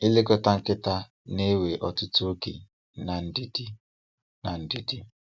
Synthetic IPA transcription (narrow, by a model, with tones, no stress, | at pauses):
i˦le˦kʊ˦ta˦ŋ̩˦kɪ˦ta˦ | ne˦we˨ʔɔ˨tʊ˦tʊ˦o˦ɡḛ˨ | na˨n̩˨di˦di˦ | na˨n̩˨di˨di˦